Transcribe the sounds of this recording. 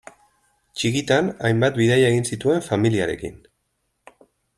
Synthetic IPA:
t͡ʃikit̪anajmbat̪biðajaeɣinsit̪ue̞ɱfamiliaɾe̞̰kḭn

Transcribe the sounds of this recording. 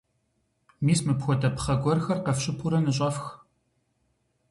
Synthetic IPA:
miːsmɨpxʷɔdɐpχɐɡʷɔrxɐrqɐfɕʼɪpʰuɾɐnɨɕ̬ʼɐfx

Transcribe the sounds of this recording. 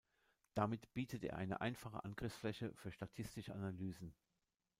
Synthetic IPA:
d̥amɪtb̥iːtʰətḛːɐʔaɪnə̰ʔa̰ɪnfaχə̰ʔa̰nɡʁɪfsflɛçəfyːɐʃtatʰɪstɪʃəanalyːzn̩

